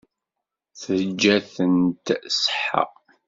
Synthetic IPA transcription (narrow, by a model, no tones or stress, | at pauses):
θəd͡ʒːæθənt̪sħa̰